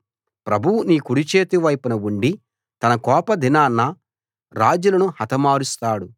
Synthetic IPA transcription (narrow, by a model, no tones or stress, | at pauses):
pɾɐbʱuʋuniːkuɽit͡ʃeːt̪iʋɐjpɐnɐuɳɖi | t̪ɐnɐkɔːpɐd̪ʱinaːnːɐ | ɾaːd͡ʒulɐnuhɐt̪ʰɐmaːɾust̪aːɽu